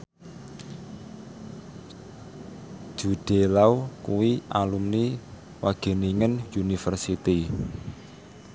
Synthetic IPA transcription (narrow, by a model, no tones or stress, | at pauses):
ʒ̥ṳɖ̥elawkuwiʔa̰lumni | waɡ̥e̤niŋənjunifərsit̪i